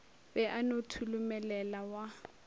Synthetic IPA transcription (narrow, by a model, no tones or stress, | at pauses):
bɛʔanotʰulʊmɛlɛlawa